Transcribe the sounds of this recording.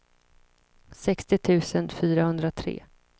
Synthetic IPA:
sɛkst̪ɪt̪ʰʉ̟ːsənfyːɾahɵnd̪ɾat̪ʰɾḛː

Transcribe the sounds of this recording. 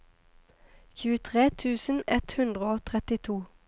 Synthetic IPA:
çʉːət̪ʰʁeːt̪ʰʉːsən̩ɛt̪hʉnd̪ʁəoːt̪ʰʁɛt̪ɪt̪ʰuː

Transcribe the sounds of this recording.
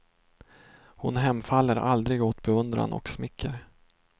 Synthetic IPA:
hʊnɦɛmːfalːəɾʔa̰ld̪ɾɪɡoːt̪bɛɵnd̪ɾa̰nɔ̰ksmɪkʰːəɾ

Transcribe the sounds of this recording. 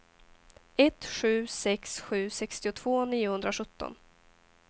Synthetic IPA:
ɛt̪ɧʉ̟ːsɛksɧʉ̟ːsɛkst̪ɪʊt̪ʰv̥oːniːʊhɵnd̪ɾaɧɵt̪ːɔ̰n

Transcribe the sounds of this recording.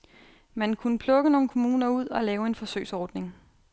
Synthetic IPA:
mænkʰunəpʰlɔ̽ɡ̥əno̝ːn̩kʰo̝muːnɐuð̞̰ˠɒ̽lɛːʊe̝nfɒ̽sø̰ɪsɒːd̥ne̝ŋ

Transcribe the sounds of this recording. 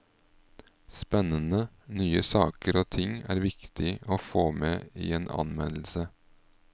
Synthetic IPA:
spɛnənə | nyːəsɑːkəɾoːt̪ʰɪŋæːɾʋɪkt̪ʰɪoːfoːmeːḭːeːnʔɑ̰nmɛnl̩sə

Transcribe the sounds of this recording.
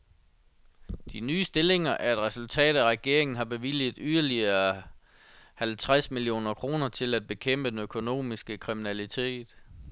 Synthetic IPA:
d̥inyːsd̥e̝le̝ŋɐʔæɐe̝d̥ʁɛsult͡sʰɛ̰ːd̥æʁɛɡ̥e̝ɐ̰e̝ŋn̩ɦɑ̈b̥e̝ʋil̰ið̩ˠyðˠɐliɐ | hælt͡sʰʁasmilijo̝̰ːnɐkʰʁo̝ːnɐt͡sʰe̝læd̥̚b̥e̝kʰem̰b̥əd̥enøkʰo̝no̝̰ːmisɡ̥əkʰʁiminælit͡sʰe̝̰ːd̥

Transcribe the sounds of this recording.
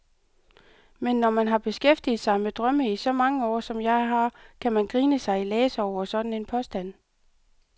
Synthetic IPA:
menːɒmænɦɑ̈b̥e̝sɡ̥efd̥ið̩ˠsɑ̈ɪmed̥ʁɶməisɒ̽mɑ̈ŋəɒ̰ːsɒ̽mjɑ̈ɪɦɑ̈kʰæmænɡ̥ʁiːnəsɑ̈ɪilɛːsɒʊ̰ɐsɒ̽d̥n̩e̝npʰɒ̽sd̥æn̰

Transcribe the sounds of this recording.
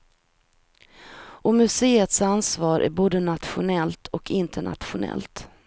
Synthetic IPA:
ʔɔmɵseːət̪sansvɑːɾʔæ̰ɾboːd̪ənat̪ɧʊnɛlt̪ʰɔkʰɪnt̪ʰəɳa̰t̪ɧʊnɛ̰lt̪

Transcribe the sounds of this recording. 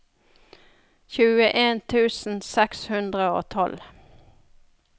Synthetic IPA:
çʉːəʔeːnt̪ʰʉːsn̩sɛkshʉnd̪ʁəo̰ːt̪ʰɔl

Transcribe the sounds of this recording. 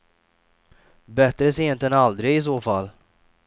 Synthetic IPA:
bɛt̪ɾəs̬ɛjɛnt̪ɛnald̪ɾɪɡɪs̬oːfalː

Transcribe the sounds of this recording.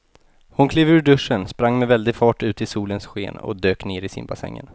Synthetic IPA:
hʊnkʰliːvʉːɖɵʂːənspɾaŋːmɛvɛld̪ɪɡfɑːʈʉ̟ːt̪ʰɪlsuːlənsɧeːnɔ̰d̪øːkneːɾɪsɪ̰nbasɛ̰ŋːə̰n

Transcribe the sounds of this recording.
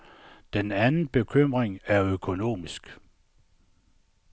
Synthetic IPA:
d̥enænn̩b̥e̝kʰøm̰ʁeŋæɐøkʰo̝no̝̰ːmisɡ̥

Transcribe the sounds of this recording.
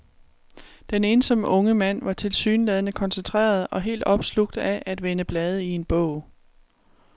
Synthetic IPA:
d̥ene̝ːnsɒ̽məʔɔ̽ŋəmæn̰ʋɑ̈t͡sʰe̝lsy̰ːnlɛð̞ˠənəkʰɒ̽nsent͡sʰʁɛ̰ːɐð̞ˠɒ̽ɦe̝̰ːld̥ɒ̽b̥sluɡ̥̚d̥æʔæd̥ʋenəb̥lɛːð̞ˠəie̝nb̥ɔ̰ʊ̰

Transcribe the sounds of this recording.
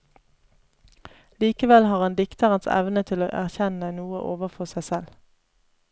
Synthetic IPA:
liːkəʋɛlhɑːʁɑnd̪ɪkt̪əʁənsɛ̰ʋnət̪ʰɪlo̰ːʔæʁçɛnənuːə̰ʔoːʋəʁfɔsæɪsɛl

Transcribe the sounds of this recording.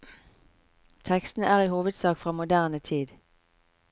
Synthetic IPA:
t̪ʰɛkst̪n̩ʔæːʁiːhuːʋəd̪sɑːkfʁɑːmʊd̪æːʁnət̪ʰiːd̪

